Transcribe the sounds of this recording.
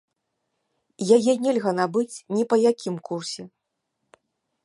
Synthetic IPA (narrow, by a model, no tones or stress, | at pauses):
jajɛnʲɛlʲɣɐnabɨt͡sʲnʲipɐjakʲimkursʲɛ